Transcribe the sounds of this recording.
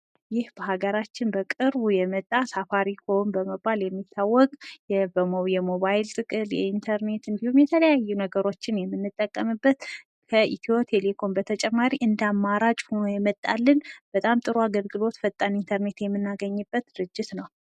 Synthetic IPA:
jɪhb̥əɦaɡəɾat͡ʃːɪnbəkʼɨɾβujɛmət̪ʼːasafaɾikʰo̞nbəməbaljɛmːit̪ʰːawːɔkʼjɛbəmowjɛmo̞βajɪlt̪ʼɨkʼɨljɛ̰int̪ʰəɾne̞t̪ɨnd̪ihumjɛt̪ʰələjajːunəɡəɾo̞t͡ʃːɪnjɛmːɨnːɨt̪ʼːəkʼːəmɨbːət̪ | kʰəʔit̪ʰiot̪ʰelekʰo̞nbət̪ʰət͡ʃʼɛmːaɾiʔɨnd̪amːaɾat͡ʃʼho̞nojɛmət̪ʼːa̰lːɨnb̥ət̪ʼamt̪ʼɨɾuaɡəlɡɨlo̞t̪fət̪ʼːanint̪ʰəɾne̞t̪jɛmːɨnːaɡəɲːɨbːət̪̚d̪ɨɾɨd͡ʒːɪt̪nəw

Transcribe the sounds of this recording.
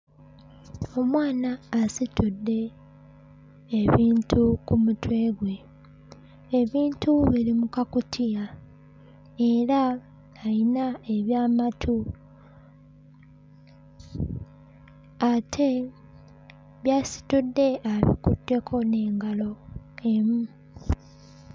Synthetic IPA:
o̞mwaːnaːsitudːe̞ | βiːntʰukumutwe̞ːɡwe̞ | eβiːntuβiɾimukakutʰija | e̞ɾaː | inae̞βjaːmatʰu | atʰe̞ | βjaːsi̥tudːe̞aβḭkṵtːe̞kʰo̞ne̞ːŋɡalo̞emu

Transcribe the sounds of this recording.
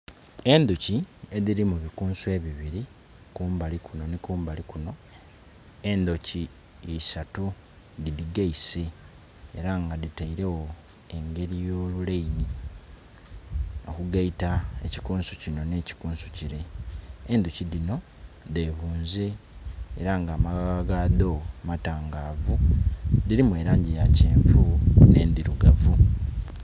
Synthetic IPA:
e̞nd̪ucie̞ðiɾimuβikuːnsue̞βiβiɾi | kuːmbalikuno̞nikuːmbalikuno̞ | e̞nd̪ociː | satu | didiɡaise̞̰ː | ɾaŋɡaðitaiɾe̞wo̞ | e̞ŋɡe̞ɾijo̞ːluleini | o̞̰kuɡaitaeci̥kuːnsucino̞ne̞ːci̥kuːnsuciɾe̞ː | nd̪uciðino̞ | de̞ːβuːnzeː | ɾaŋɡaːmaɡɡaɡaðomataːŋɡaːvudiɾimwe̞ːɾaːɲɟijaceːɱfune̞̰ːnd̪iɾuɡavu

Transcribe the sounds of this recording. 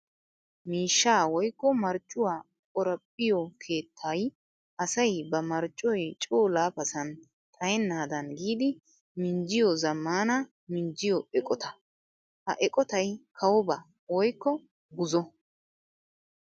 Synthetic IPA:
miːʃːaːwɔjkːɔmɐɾt͡ʃʼːʊwaː | kʼɔɾɐpʼːɪjɔkʰe̞ːt̪ʰːaːj | ʔɐsɐjbɐmɐɾt͡ʃʼːɔjt͡ʃʼoːlaːpɐsɐn | t̪ʼɐjɛnːaːd̪ɐnɡiːd̪ɪ | mɪnd͡ʒɪjɔzɐmːaːnɐ | mɪnd͡ʒɪjɔɛkʼɔt̪ɐ | hɐ̰ʔɛkʼɔt̪ɐjkʰɐwɔbɐ | wɔjkːɔ | ɡʊzɔ

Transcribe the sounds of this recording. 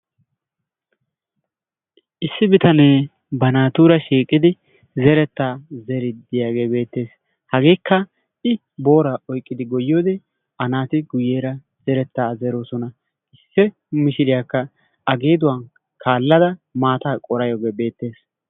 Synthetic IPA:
ʔɪsːɪbɪt̪ɐne̞ː | bɐnaːt̪uːɾɐʃiːkʼːɪd̪ɪ | zɛɾɛt̪ːaːzɛɾɪd̪ɪjaːɡe̞ːbe̞ːt̪ːe̞ːs | hɐɡe̞ːkːɐ | ʔɪ | bo̞ːɾaːʔɔjkʼːɪd̪ɪɡɔjːoːd̪ɛ | ʔɐnaːt̪ɪɡʊjeːɾɐ | zɛɾɛt̪ːaːzɛɾo̞ːsɔnɐ | ʔɪsːɛ | mɪʃɪlɪjakːɐ | ʔɐɡeːd̪ʊwan | kʰaːlːɐd̪ɐmaːt̪aːkʼɔɾɐjoːɡeːbe̞ːt̪ːe̞ːs

